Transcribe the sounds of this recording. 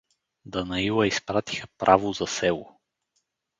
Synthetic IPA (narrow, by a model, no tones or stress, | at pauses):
d̪ɐnɐilˠəispɾat̪i̥xəpɾʔavozɐsɛlˠo